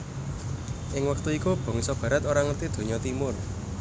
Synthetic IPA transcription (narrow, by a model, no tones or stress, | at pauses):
ʔɪŋwək̚t̪uikub̥ɔ̤ŋisɔb̥a̤ɾət̪oɾaŋət̪id̪̥o̤ɲɔt̪imʊr